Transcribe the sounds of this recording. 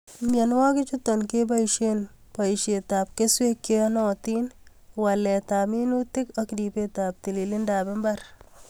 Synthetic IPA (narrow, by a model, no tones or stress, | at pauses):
mjanwɔkɪt͡ʃutɔnkeb̬aiʃenpaiʃetap̚keswekːenɔtin | walɛtaminutɪkɔkdipetap̚t̪ililɪndabɪmbɐɾ